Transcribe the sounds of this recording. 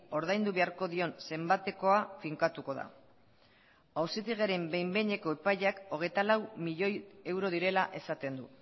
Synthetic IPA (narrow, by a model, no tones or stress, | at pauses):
o̞ɾðajnd̪uβe̞aɾko̞ðio̞nse̞mbat̪e̞ko̞afiŋkat̪uko̞ða̰ | awsit̪iɣ̞eɾe̞mbe̞jmbe̞ɲe̞ko̞e̞paʎako̞ɣ̞e̞jt̪alawmiʎo̞je̞wɾo̞ðiɾe̞laʔe̞sat̪e̞nd̪u